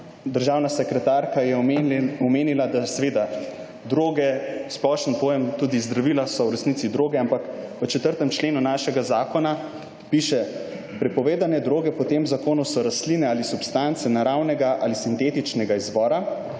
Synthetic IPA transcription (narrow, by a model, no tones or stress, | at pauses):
d̪əɾʒaːwnasɛkɾɛt̪aɾkajɛɔmeːnilad̪asɛʋeːd̪a | d̪ɾoːɡɛsplɔʃənpojɛmt̪uːd̪izd̪ɾaʋilasɔwɾɛsnit̪sid̪ɾoːɡɛampakʋət͡ʃɛt̪əɾt̪ɛmt͡ʃleːnunaʃɛɡazaːkɔna | piʃɛ | pɾɛpɔʋeːd̪anɛd̪ɾoːɡɛpɔt̪eːmzakoːnɔsɔɾaslinɛaːlisupst̪ant̪sɛnaɾawnɛɡaʔa̰lisint̪eːt̪it͡ʃnɛɡaizʋɔːɾa